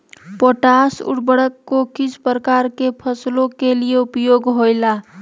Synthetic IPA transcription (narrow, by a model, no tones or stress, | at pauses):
poʈasṵɽbəɽəkːokisʰpɾəkaɾkepʰəslokelijeupjoɡɦoɪla